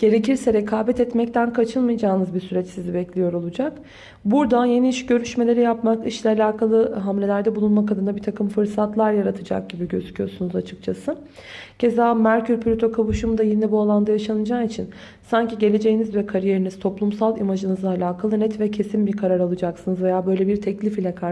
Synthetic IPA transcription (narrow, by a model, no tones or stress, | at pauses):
ɟ̥e̞ɾe̞ciɾsɛɾekʰaːbɛt̪ɛt̪mɛc̚t̪ʰænkʰat͡ʃʰɯlˠmɯjd͡ʒaːɯnɯzbisyɾɛt͡ʃsizibɛclʲijo̞ɾo̞lˠud͡ʒak | buɾd̪aje̞niiʃɟø̞ɾyʃme̞lʲe̞ɾijapmakɯʃlʲˠaːlʲaːkʰalˠɯɦamlʲe̞lʲæɾd̪ɛbulˠunmakad̪ɯnd̪abit̪ʰakʰɯmfɯɾsat̪lˠaɾjaɾat̪ʰɯd͡ʒa̰k̚ɟ̥ibiɟøzycʰʲyjo̞ɾsunuzat͡ʃʰɯ̥k̚t͡ʃʰasɯ | ɟ̥e̞zaːmæɾcʰyɾpʰylʲyt̪ʰo̞kʰaβuʃumd̪ajinɛbualˠand̪ajaʃanɯd͡ʒaːit͡ʃʰin | saɲciɟelʲe̞d͡ʒe̞jinizvɛkʰaɾije̞ɾiniz̥t̪ʰo̞plˠumsalˠimaʒɯnɯzaːlʲaːkʰalˠɯnɛt̪vɛcʰe̞sinbiɾkʰaɾaɾalˠɯd͡ʒaksɯnɯzve̞jaːbø̞jlʲebiɾt̪ʰɛclʲifilʲɛkʰa